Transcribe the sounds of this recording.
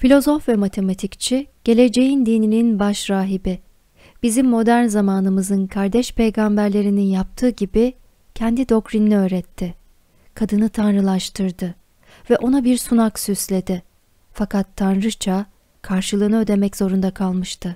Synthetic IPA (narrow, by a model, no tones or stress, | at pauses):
filʲo̞zo̞fvɛmat̪ʰe̞mat̪ʰict͡ʃʰiɟ̥e̞lʲe̞d͡ʒe̞jind̪inininbaʃɾaːɦibɪ | b̥izimːo̞d̪æɾnzamaːnɯmɯzɯnkʰaɾd̪ɛʃpʰe̞jɡambæɾlʲe̞ɾininjap̚t̪ʰɯːɟibi | cʰɛnd̪id̪o̞kɾinːiøːɾɛt̪ʰːɪ | kʰad̪ɯnɯt̪ʰanɾɯlˠaʃt̪ʰɯɾd̪ɯ | vɛʔo̞nabiɾsunaksyslʲe̞d̪ɪ | fakʰat̪ʰːanɾɯt͡ʃʰa | kʰaɾʃɯlˠɯːnɯø̞d̪e̞mɛcz̥o̞ɾund̪akʰalˠmɯʃt̪ʰɯ